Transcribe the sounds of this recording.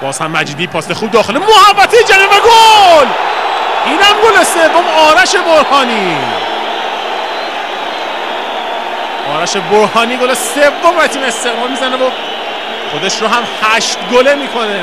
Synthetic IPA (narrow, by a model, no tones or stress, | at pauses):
b̥ɒːz̥hæmːæd͡ʒiːd̪iːpʰɒːsexuːb̚d̪ɒːxelemohævːæt̪ʰed͡ʒæniːvæɡol | ʔiːnæmɡolesevːomɒːɾæʃe̞boɾhɒːniː | ʔɒːɾæʃeboɾhɒːniːɡolesevːomɾæt̪ʰiːme̞st̪e̞ɣmɒːlmizænevo | xod̪e̞ʃɾoɦæmhæʃt̪ɡolemiːkʰo̞ne